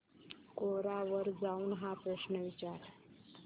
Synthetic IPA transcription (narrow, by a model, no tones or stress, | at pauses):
koɾaʋəɾd͡zauːnɦapɾəɕnəʋit͡ɕaɾ